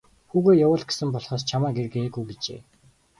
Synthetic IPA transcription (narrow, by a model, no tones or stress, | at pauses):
xuːɣeːjawʊːɮɡe̥sɘ̆mpɔɮχɔːst͡ɕʰamaːɡerɣeːɡujɡit͡ɕḛː